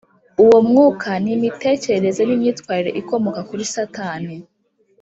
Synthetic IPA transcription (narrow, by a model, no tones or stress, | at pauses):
uwomŋuːkʰanimite̞ːce̞ɾeɾe̞ze̞nimɲiːtwaːɾiɾe̞ʔiko̞mo̞kakuɾisataːni